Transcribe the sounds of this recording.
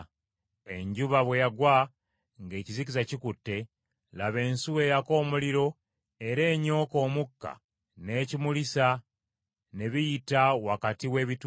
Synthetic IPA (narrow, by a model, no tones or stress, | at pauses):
e̞ɲɟuβaβwe̞jaɡwa | ŋɡe̞ːcizikizacikutːe̞ | laβe̞ːnsuwe̞jako̞ːmuliɾo̞ | e̞ɾe̞ːɲo̞ːko̞ːmukːa̰ | ne̞cimulisa | ne̞βijitawakatiwe̞ːβit